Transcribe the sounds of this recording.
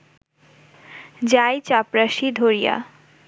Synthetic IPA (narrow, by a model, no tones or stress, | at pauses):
d͡ʑajt͡ɕapɾaʃid̪ʱoɾija̰